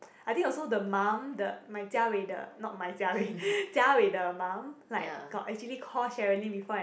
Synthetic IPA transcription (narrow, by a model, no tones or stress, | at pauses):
ajt̪ĩŋɔlsodəmãmdəmajt͡ʃawedə̰nɔt̚majt͡ʃawet͡ʃawedəmãmlaɪkɡ̥ɔtɛk̚t͡ʃuəlikʰɔʃɛɹənĩbifɔa